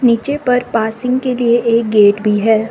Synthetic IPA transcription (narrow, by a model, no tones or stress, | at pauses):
niːt͡ʃepɐɾpaːsɪ̃ŋɡkelieʔeːk̚ɡeːʈbʱiɦɛː